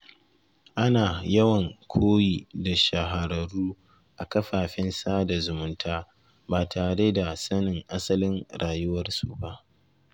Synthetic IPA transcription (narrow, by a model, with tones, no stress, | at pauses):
ʔa˦naː˨jɐ˦wɐ˨ŋkʷʰoː˦jiː˨da˨ʃa˨ɦa˨ɾɐ˨ɾuː˦ | ʔa˨kɐ˦ɸaː˨ɸɪ˦nsaː˦da˨zʊ˨mʊ˦ntʰaː˦ | baː˨tʰaː˨ɽeː˦da˨sɐ˦nɪ˨ŋʔa˦sɐ˦lɪ˦nɽaː˨jʊ˦wɐ˦rsṵ˨ba˦˨ʔ